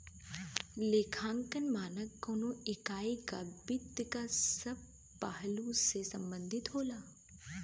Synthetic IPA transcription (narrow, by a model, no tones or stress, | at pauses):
lekʰãːŋkənmaːnəkːoːnoɪkaːikabɪd̪kasɐb̚ | paɦlũsesɐ̃mbə̃nd̪ʱɪt̪ɦoːlaː